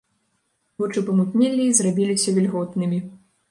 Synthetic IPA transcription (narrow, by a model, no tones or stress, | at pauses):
vɔt͡ʂɨpɐmut̪nʲɛlʲːizrabʲilʲisʲɐvʲɛlʲɣɔt̪nɨmʲi